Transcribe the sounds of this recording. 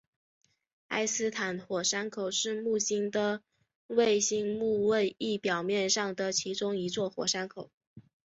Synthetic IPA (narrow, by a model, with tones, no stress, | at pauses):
a̰˥ɪsɹ̩˥t̪ʰa˨˥˦nxwɔ˨˩ʂa˥nkʰo˨˩˦ʊʂɻ̩˥˧mu˥˩ɕi˥ŋd̪ə˨ | we˥˩ɪɕi˥ŋmu˥˧we˥˧ɪi˥˩pjɑ˨˩ʊmjɛ˥˧nʂɑ˥˩ŋd̪ə˩t͡ɕʰi˧˥ʈ͡ʂʊ˥ŋi˧˥t͡swɔ˥˩xwɔ̰˨˩ʂa˥nkʰo˨˩˦ʊ